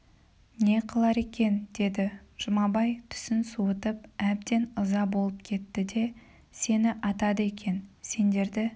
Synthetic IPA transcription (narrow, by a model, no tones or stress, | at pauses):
ne̞qʰəlˠɑɾe̞kʲe̞nd̪̥e̞d̪ɪʒ̥ʊmɑbɑjt̪ʰʏ̥sɪnsuət̪əpæb̚d̪e̞nəzɑbo̞lˠəp̚kʲʰe̞t̪ːɪd̪e̞ | se̞nɪʔɑt̪ɑd̪əe̞kʲʰe̞nse̞nd̪e̞ɾd̪ɪ